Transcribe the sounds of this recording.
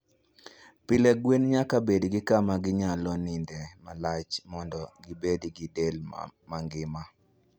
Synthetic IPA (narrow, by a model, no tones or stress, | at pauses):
pɪleɡwenɲakabedɡɪkamaɡɪɲalɔnɪndɛmalat͡ʃmɔndɔɡibediɡidelmaŋɡɪma